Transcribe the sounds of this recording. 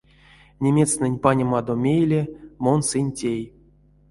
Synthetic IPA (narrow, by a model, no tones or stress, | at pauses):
nʲemʲe̞snɨnʲpanʲɪmad̪omʲejlʲemonsɨnʲtʲej